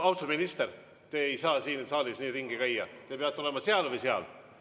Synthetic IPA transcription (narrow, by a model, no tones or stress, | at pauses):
ɑwst̪ominist̪er | t̪eejsɑːsiːnsɑːlisniːriŋɡ̥ikæjːɑt̪epeɑt̪ːˑole̞mɑseɑlvɯjseɑ̰l